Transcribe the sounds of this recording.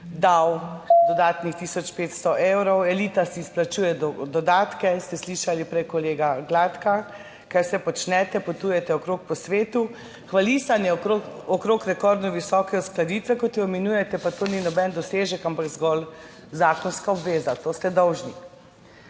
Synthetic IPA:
d̪awd̪ɔd̪aːt̪nixt̪iːsɔt͡ʃpeːt̪st̪ɔʔewɾɔwɛliːt̪asiːsplat͡ʃuːjɛd̪d̪ɔd̪aːt̪kɛst̪ɛsliʃalipɾɛjkɔleːɡaɡlaːt̪ka | kɛɾsɛpɔt͡ʃnɛt̪ɛpɔt̪uːjɛt̪ɛɔkɾoːk̚pɔsʋeːt̪u | xʋalisanjɛɔkɾoːkɾɛkɔɾd̪nɔʋisɔːkɛɔsklad̪iːt̪ʋɛkɔt̪iɔmɛnuːjɛt̪ɛpat̪oːninɔbɛnd̪ɔseːʒɛkampakzɡɔl | zaːkɔnskaɔbʋeːzat̪oːst̪ɛd̪ɔwʒni

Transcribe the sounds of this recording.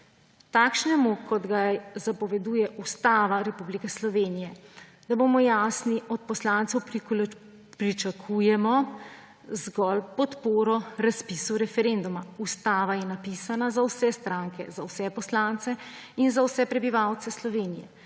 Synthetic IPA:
t̪aːkʃnɛmukɔd̪ɡazapɔʋɛd̪uːjɛʔust̪aːʋaɾɛpublikɛslɔʋeːnijɛ | d̪̥aboːmɔjaːsniɔt̪̚pɔslaːnt̪sɛwp | pɾit͡ʃakʰujɛmɔ | zɡɔlpɔt̪poːɾɔɾaspisuɾɛfɛɾend̪umaust̪aːʋajɛnapisanazawsɛst̪ɾaːŋkɛzawsɛpɔslant̪sɛ | inzawsɛpɾɛbiʋawt̪sɛslɔʋeːnijɛ̰

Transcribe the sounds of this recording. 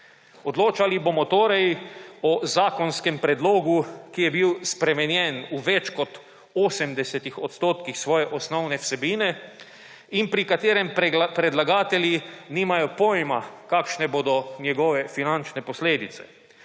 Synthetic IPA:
od̪loːt͡ʃalibomɔt̪oːɾɛjɔzaːkɔnskɛmpɾɛd̪loːɡukijɛbiwspɾɛmɛnjɛnuʋɛt͡ʃkɔt̪ | oːsɛmd̪ɛsɛt̪ixot̪st̪oːt̪kixsʋɔːjɛʔɔsnɔwnɛwsɛbiːnɛ | impɾikat̪eːɾɛmpɾɛd̪laɡaːt̪ɛljiniːmajɔpojmakaːkʃnɛboːd̪ɔnjɛɡɔːʋɛfinant͡ʃnɛposleːd̪it̪sɛ̥

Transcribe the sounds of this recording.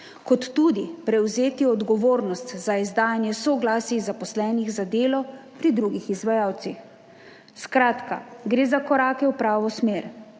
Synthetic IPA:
kɔt̪ːuːd̪ipɾɛwzeːt̪iɔd̪ɡɔʋoːɾnɔst̪zaizd̪aːjanjɛsɔɡlaːsizapɔslɛːniɣzad̪eːlɔpɾid̪ɾuːɡixizʋajaːwt̪six | skɾaːt̪ka̰ɡɾeːzakɔɾaːkɛwpɾaːʋɔsmeːɾ

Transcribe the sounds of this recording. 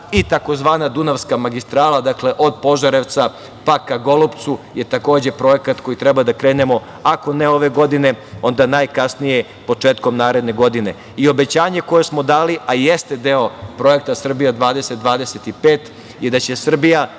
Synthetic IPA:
it̪ako̞zʋaːnad̪unaʋskamaɡist̪ɾaːlˠad̪akle̞ʔo̞d̪po̞ʒaɾeʋt̪sa | pakaɡo̞lupt̪suje̞t̪ako̞ːd͡ʑe̞pɾo̞je̞kat̪ko̞jit̪ɾebad̪akɾeːne̞mo̞ | ako̞neo̞ʋe̞ɡo̞d̪ine̞o̞nd̪anajkasnije̞ | po̞t͡ʂeːt̪ko̞mnaːɾe̞d̪ne̞ɡo̞d̪ine̞ | io̞be̞t͡ɕaːɲe̞ko̞je̞smo̞d̪aːliʔajest̪e̞d̪eopɾo̞je̞k̚t̪asr̩bijad̪ʋaːd̪e̞set̪̚d̪ʋaːd̪ese̞t̪ipeːt̪ | jed̪at͡ɕe̞sr̩bija

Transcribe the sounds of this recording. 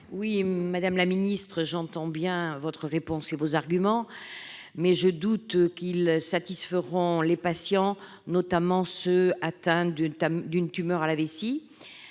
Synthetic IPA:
wimad̪amlaminist̪χəʒɑ̃t̪ɑ̃bjɛ̃vɔt̪χəʁepɔ̃sevozaʁɡymɑ̃ | mɛʒəd̪ut̪kilsat̪isfəʁɔ̃lepasjɑ̃ | nɔt̪amɑ̃søat̪ɛ̃d̪amd̪ynt̪ymœʁalavesi

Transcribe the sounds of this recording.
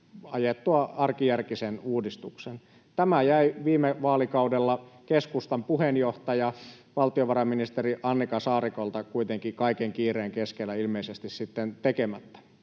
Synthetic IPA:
ɑjet̪ːuɑɑrkijærkisenuːdist̪uksen | t̪æmæjæiʋiːmeʋɑːlikɑudelːɑkeskust̪ɑmpuhenjoht̪ɑjɑ | ʋɑlt̪ioʋɑrɑminist̪eriʔɑnːikɑsɑːrikolt̪ɑkuit̪eŋkikɑikeŋkiːreːŋkeskelːˑæilmeisest̪issit̪ːent̪ekemæt̪ːæ̥

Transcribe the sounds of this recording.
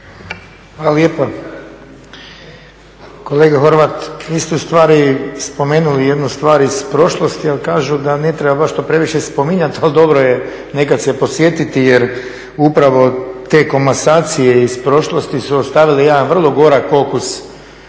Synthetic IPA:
xʋaːlaljeːpa | ko̞leːɡaxo̞ɾʋat̪ʋiːst̪ɛust̪ʋaːɾispo̞me̞ːnulije̞d̪nust̪ʋaːɾispɾo̞ʃlˠost̪ialikaːʒud̪anet̪ɾebabaʃt̪o̞pɾe̞ʋiʃespo̞miɲat̪ald̪o̞bɾoje | ne̞kad̪sepo̞sʋje̞t̪it̪ijeɾ | upɾaʋo̞t̪e̞ːko̞masaːt̪sije̞izpɾo̞ʃlˠo̞st̪isuost̪aʋilijed̪anʋr̩lˠo̞ɡo̞ɾakfo̞kus

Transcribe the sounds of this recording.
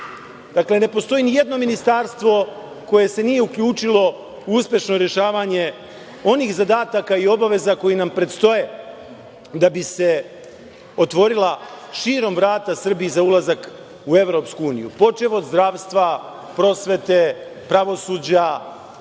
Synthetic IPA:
d̪̥akle̞ne̞po̞st̪o̞jinije̞d̪no̞minist̪aɾst̪ʋo̞ | ko̞je̞se̞nije̞ukʎuːt͡ʂilo̞ | uuspʲje̞ʃno̞ɾje̞ʃaːʋaɲe̞ | o̞niːxzad̪aːt̪akaio̞baʋe̞zako̞jinampɾe̞t̪st̪o̞je̞ | d̪abise̞ | o̞t̪ʋo̞ɾila | ʃiːɾo̞mvɾaːt̪asr̩biːzaulˠazak | ue̞ʋɾo̞ːpskuuːnijṵpo̞t͡ʃeʋod̪zd̪ɾaːʋst̪ʋa | pɾo̞sʋe̞t̪e̞ | pɾaʋo̞suːd͡ʑa

